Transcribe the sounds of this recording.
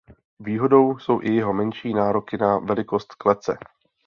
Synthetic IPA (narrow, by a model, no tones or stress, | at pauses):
viːɦo̞do̞wso̞wʔɪjɛɦo̞mɛnʃiːnaːɾo̞kɪnavɛlɪko̞st̪klɛt͡sɛ̰